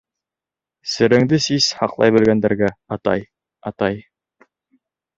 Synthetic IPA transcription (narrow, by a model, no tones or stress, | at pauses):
sɘ̆ɾɘ̆ŋd̪ɘsizhɑqlˠɑ̰jbɵ̆lɡænd̪æɾɡæɑt̪ɑ̰j | ɑt̪ɑj